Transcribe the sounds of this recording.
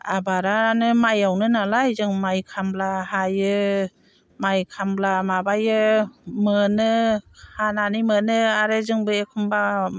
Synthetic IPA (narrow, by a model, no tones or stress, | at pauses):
a̰baɾanɯmajawnɯnalajzɯŋmajkʰamblahajɯ | majkʰamblamabajɯmɯnɯhananimɯnɯaɾezɯŋbɯekʰɯmba